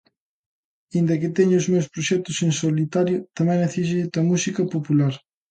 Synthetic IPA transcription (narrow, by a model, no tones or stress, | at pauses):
ind̪ɐkɪt̪ɛɲʊʊzmewspɾoʃɛk̚t̪ʊsensolit̪aɾjʊt̪ɐmɛ̃ŋeθiʃ̬et̪ɐmusikɐpopulaɾ